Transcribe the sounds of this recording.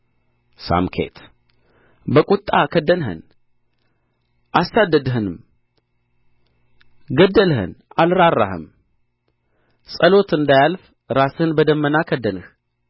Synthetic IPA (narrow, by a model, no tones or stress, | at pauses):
sa̰mkʰḛt̪ | bəkʼʊt̪ʼːakʰəd̪ənɦɨ̰n | ʔasad̪ːəd̪ɦɨnɨm | ɡəd̪ːəlhɨ̰nalɾarːa̰hɨ̰m | sʼəlo̞t̪ɨnd̪ajalf | ɾashɨnbəd̪əmːənakʰəd̪ənɨh